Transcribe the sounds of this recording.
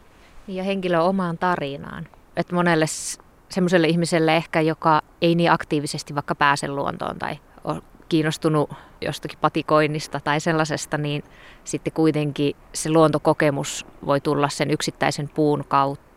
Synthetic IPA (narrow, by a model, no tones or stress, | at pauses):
niːjɑheŋkiløomɑːnt̪ɑrinɑ̰ːnʔet̪monelːes | semːoselːeihmiselːeehkæjokɑ | einiːʔɑkt̪iːʋisest̪iʋʋɑikːɑpæːsḛlluo̰nt̪o̰ːnt̪ɑ̰i | o̰kiːnost̪unujo̰st̪ɑkipɑt̪ikoinːist̪ɑt̪ɑiselːɑsest̪ɑniːnsit̪ːekuit̪eŋkiseluont̪okokemusʋo̰it̪ulːɑssenyksit̪ːæisempuːnkɑut̪ːɑ̥